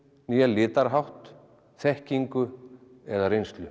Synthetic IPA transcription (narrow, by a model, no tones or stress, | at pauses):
niːjalɪːt̪aɾɦawht̪ | θɛhciŋkʏ | ɛðaɾejnst̪lʏ